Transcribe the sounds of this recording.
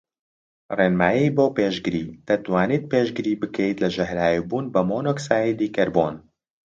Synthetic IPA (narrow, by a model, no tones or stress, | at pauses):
reːnmaːjiboːpeːʒɡɨɾiːt̪ɐt̪waːniːt̪̚peːʒɡɨɾiːbɨkʰɛjit̪lɐʒɐɦɾaːjibuːnbɐmoːnoːksaːjid̪iːkɐɾbo̰ːn